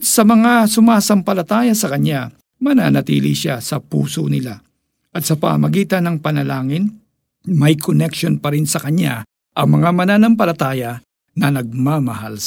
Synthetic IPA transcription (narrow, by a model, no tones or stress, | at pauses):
sɐmɐŋasʊmaːsɐmpɐlɐt̪aːjɐsɐkɐɲja | mɐna̰ːnɐt̪ḭːlḭʃasɐpṵːsonɪla | ʔɐt̪̚sɐpɐ̰mɐɡiːt̪ɐnːɐŋpɐnɐlaːŋɪn | mɐjkʰonɛkʃonpɐɾɪnsɐkɐɲa̰ | ʔɐŋmɐŋamɐnaːnɐmpɐlɐt̪aːjɐ | nɐnɐɡ̚mamɐha̰l